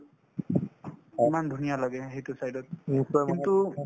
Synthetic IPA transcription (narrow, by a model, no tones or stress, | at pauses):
imand̪ʱunijalaɡɛɦejtusajdɔt̚aintu